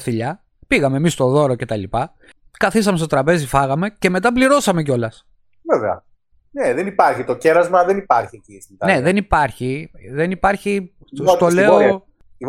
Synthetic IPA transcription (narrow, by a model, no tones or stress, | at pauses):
θiʎɐ | piɣɐmeːmist̪o̞ðo̞ɾoce̞t̪ɐlipɐ | kɐθis̬ɐmest̪o̞t̪ɾɐpe̞zifɐɣɐme̞ce̞me̞t̪̬ɐp̬liɾo̞sɐme̞c̬o̞lɐs | veveɐ̰ | neðenipɐɾçit̪o̞ce̞ɾɐzmɐðenipɐɾçiecisint̪ɐneðenipɐɾçiðenipɐɾçi | st̪ole̞o